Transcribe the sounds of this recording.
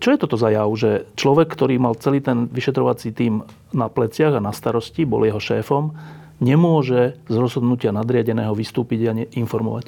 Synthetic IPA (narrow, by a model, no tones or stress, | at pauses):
t͡ʃɔjɛt̪ɔt̪ɔzajaʊʒɛt͡ʃlɔʋɛkːt̪ɔɾiːmalt͡sɛliːt̪ɛnʋiʃɛt̪ɾɔʋat͡siːt̪iːm | naplɛt͡sɪaɣanast̪aɾɔscibɔ̰ljɛɦɔʃɛːfɔm | ɲɛmʊɔʒɛzɾɔzɦɔd̪nucɪanad̪ɾɪaɟɛnɛːɦɔʋist̪uːpiɟaɲɛinfɔɾmɔ̰ʋac